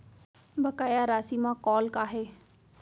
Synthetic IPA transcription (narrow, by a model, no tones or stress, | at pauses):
bəkaːjaːɾaːsiːmãːkɔːlkaːɦeː